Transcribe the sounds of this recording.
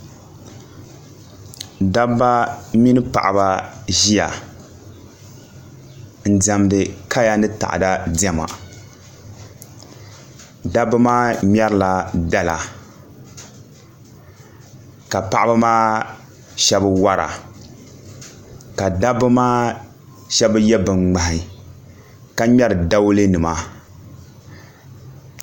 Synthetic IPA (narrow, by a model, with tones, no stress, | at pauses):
da˦ba˦mi˦nɨ˦pa̰˨ʔa˨ba˦ʒi˦ja̰˨ | n̩˨da˨mdɨ˨ka˦ja˦nɨ˦ta̰˨ʔa̰˨da˦dɛ˦ma̰˨ | da˦bɨ˦maː˦mʲɛ˦ɾla˨da˦la˨ | ka˨pa˦ʔa˦bɨ˦maː˦ | ʃɛ˦bɨ˦wa˦ɾa̰˨ | ka˨da˦bɨ˦maː˦ | ʃɛ˦bɨ˦jɛ˦bɨ˨ŋ͡mŋ͡ma˨hi˨ | ka˦ɲɛ˦ɾɨ˨da˦wlɨ˦nɨ˨ma˦